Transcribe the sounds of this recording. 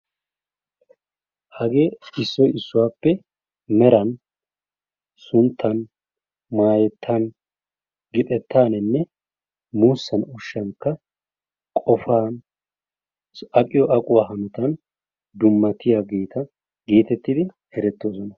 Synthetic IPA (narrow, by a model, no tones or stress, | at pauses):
hɐɡeːɪsːɔjɪsːʊwaːpːɛ | mɛɾɐn | sʊnt̪ʰːɐn | maːjɛt̪ʰːɐn | ɡɪt̪ʼɛt̪ːaːnɛnːɛ | muːsːɐnɔʃːɐŋkːɐ | kʼɔfaːn | ɐkʼɪjɔʔɐkʼʊwaːɦɐnʊt̪ɐn | d̪ʊmːɐt̪ɪjaːɡeːt̪ʰɐ | ɡiːt̪ɛt̪ːɪd̪ɪ | hɛɾɛt̪ːo̞ːsɔnɐ